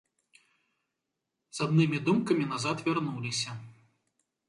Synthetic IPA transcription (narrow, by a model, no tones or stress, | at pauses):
z̥ad̪nɨmʲid̪umkɐmʲinazat̪vʲarnulʲisʲɐ